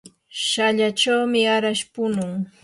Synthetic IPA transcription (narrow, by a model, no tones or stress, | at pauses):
ʃaʎat͡ʃawmɪaɾaʃpʊnʊŋ